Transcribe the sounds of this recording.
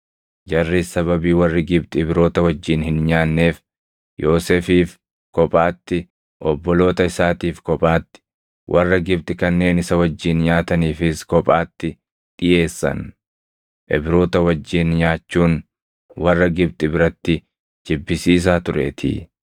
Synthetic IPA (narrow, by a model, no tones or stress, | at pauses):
d͡ʒɐrːisɐβɐbiːwɐrːɪɡɪbt̪ʼɪbɪɾo̞ːt̪ɐwɐd͡ʒːiːnhɪnɲaːnːe̞ːf | joːsefiːf | kɔpʼaːt̪ːɪ | ʔɔbːɔlo̞ːt̪ɐɪsaːt̪iːfkɔpʼaːt̪ːɪ̥ | wʔɐrːɐɡɪb̚t̪ʼɪkɐnːe̞ːnɪsɐwɐd͡ʒːiːnɲaːt̪ɐniːfɪskɔpʼaːt̪ːɪ | ᶑ̪ɪje̞ːsːɐ̰n | ʔɛbɾo̞ːt̪ɐwɐd͡ʒːiːnɲaːt͡ʃːuːn | wɐrːɐɡɪb̚t̪ʼɪbɪɾɐt̪ːɪ | d͡ʒɪbːɪsiːs̬aːt̪ʊɾḛːt̪ʰɪ̰